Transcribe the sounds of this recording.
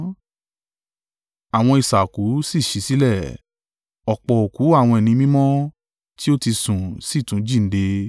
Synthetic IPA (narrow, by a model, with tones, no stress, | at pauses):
a˨w̃ɔ̃˧i˨sa˨ku˨˦si˦˨ʃi˨˧si˨˦lɛ˦˨ | ɔ˨k͡pɔ˨o˨ku˨˦a˦˨w̃ɔ̃˧ɛ˨nĩ˧mĩ˦mɔ̃˦ | ti˦o˦ti˧sũ˨si˦˨tũ˨˦d͡ʒi˦˨n̩˦de˧